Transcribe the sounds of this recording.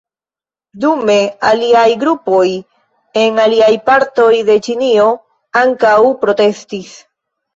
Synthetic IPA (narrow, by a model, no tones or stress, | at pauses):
dume̞aliajɡɾupo̞j | e̞ŋaliajpaɾto̞jde̞t͡ʃinio̞ | aŋkawpɾo̞te̞stis